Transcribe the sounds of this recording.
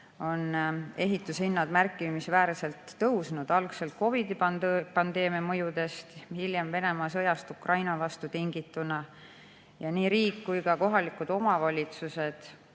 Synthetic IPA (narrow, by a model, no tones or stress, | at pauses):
o̞ne̞ɦit̪ːˑushinːɑd̪̥mærkːˑimisvæːɾse̞lt̪ːɤwsnud̪̥ɑlkse̞lt̪̚ko̞vid̪̥ipɑnd̪̥e̞ːmiɑmɤjud̪̥e̞st̪hiljemve̞ne̞mɑːsɤ̞jɑst̪ukrɑjnɑvɑst̪ut̪iŋɡit̪ːˑunɑ | jɑniːɾiːkːujkɑko̞ɦɑlikud̪̥o̞mɑvɑlʲit̪suse̞d̪̥